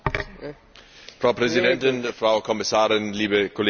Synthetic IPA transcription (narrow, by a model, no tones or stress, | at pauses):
fraʊpʰrɛzidɛntɪnəfrawkʰɔmɪsaːɾɪnliːbəkʰol